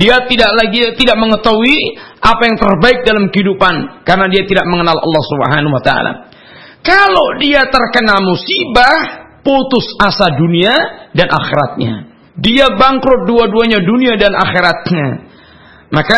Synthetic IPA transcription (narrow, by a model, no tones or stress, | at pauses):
diat̪idaʔlaɡit̪idaʔ̚məŋət̪auiʔapajaŋt̪ərbaɪk̚dalamkəidupankarnadiat̪idaʔ̚məŋənalʔɑ̰lːɑhsubəɦanuwat̪a̰a̰la̰ | kalowdiat̪ərkənalmusibahpot̪ʊsasaduniadanʔa̰xeɾa̰t̪̚ɲa̰ | diabaŋkɾʊt̪̚duaduaɲaduniadanʔa̰xeɾat̪̚ɲa | maka